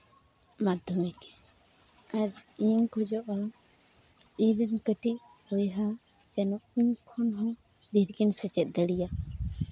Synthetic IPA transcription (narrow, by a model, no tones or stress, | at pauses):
mad̪ʱɔmɛkɛ̥ | aɾiŋkɔd͡ʒɔʔa | iɾənkəʈi | hɔjɦa | d͡ʒɛnɔʔiɲkʰɔnɦɔ̃ | d̪iɾɡinsɛt͡ʃɛt̪̚ˀd̪ɛlija